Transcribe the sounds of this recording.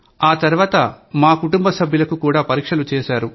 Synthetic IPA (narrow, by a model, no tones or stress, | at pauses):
aːt̪ɐɾuʋaːt̪ɐmaːkuʈumbɐsɐbʱjɐlɐkukuːɽaːpɐɾiːkʂɐlut͡ʃɛːʃaːɾu